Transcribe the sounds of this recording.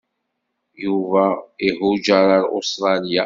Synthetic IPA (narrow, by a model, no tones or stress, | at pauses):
juvæihud͡ʒaɾˤɑɾˤo̰st̪ɾˤɑlija